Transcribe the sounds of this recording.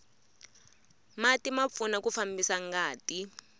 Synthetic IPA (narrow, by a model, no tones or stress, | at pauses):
matimap̪funakufambisaŋɡaːti